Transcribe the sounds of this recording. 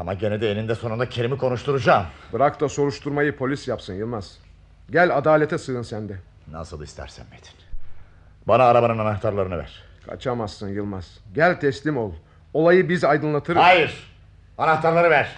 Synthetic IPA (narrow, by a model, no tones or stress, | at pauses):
amaɟened̪ɛenind̪ɛso̞nund̪acʰe̞ɾimikʰo̞nuʃt̪ʰuɾud͡ʒaːmbɯɾakt̪ʰˠaso̞ɾuʃt̪ʰuɾmajɯpʰo̞lʲisjapsɯnjɯlˠmaz̥ | ɟælʲad̪aːlʲet̪ɛsɯɯnsænd̪ɛ | na̰sɯlˠist̪ʰæ̰ɾsæ̰nmet̪ʰi̥n | banaːɾabanɯnanaxt̪ʰaɾlˠaɾɯnɯvæ̰ɾ̥ | kʰa̰t͡ʃʰamasːɯnjɯlˠmaz̥ɟælʲt̪ʰɛslʲimo̞lˠ | o̞lˠajɯbizajd̪ɯnlˠat̪ʰɯɾajiɾ̥ | anaxt̪ʰaɾlˠaɾɯvæɾ̥